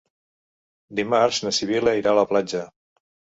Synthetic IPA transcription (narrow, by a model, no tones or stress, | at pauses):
d̪imaɾznəsiβiləiɾaləplad͡ʒə